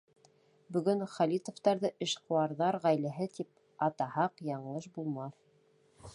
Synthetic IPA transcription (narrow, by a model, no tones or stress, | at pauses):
bɵ̆ɡɵnχɑlʲit̪ŏft̪ɑɾðɤʔɘ̆ʃqŏwɑɾðɑɾʁæjlæɦɘt̪ip | ɑt̪ɑhɑqjɑɴɤʃbulˠmɑθ